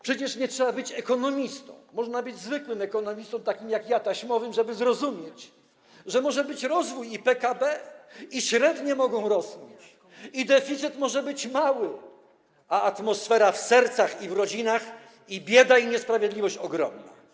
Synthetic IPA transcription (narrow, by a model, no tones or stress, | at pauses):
pʂɛt͡ɕɛʂɲɛtʂɛbabɘt͡ɕɛkɔnɔmʲist̪ɔ̰̃w̃ːɔʐnabɘd͡ʑzvɘkwɘmɛkɔnɔmʲist̪ɔ̃m̃t̪akʲimjakjat̪aɕmɔvɘmʐɛbɘzɾɔzumʲjɛt͡ɕ | ʐɛmɔʐɛbɘt͡ɕɾɔzvujipɛkabɛiɕɾɛd̪ɲɛmɔɡɔ̃w̃ɾɔsmʲit͡ɕ | id̪ɛfʲit̪sɘt̪mɔʐɛbɘt͡ɕmawɘ | aat̪mɔsfɛɾafsɛɾt̪saxivɾɔd͡ʑinax | ibʲjɛd̪aiɲɛspɾavʲjed̪lʲivɔɕt͡ɕɔɡɾɔ̰mna̰